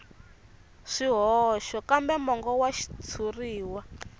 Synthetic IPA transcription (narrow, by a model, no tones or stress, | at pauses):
ʂiɦɔʃɔkambɛmɔŋɡɔwaʃi̥t͡sʰuriːwa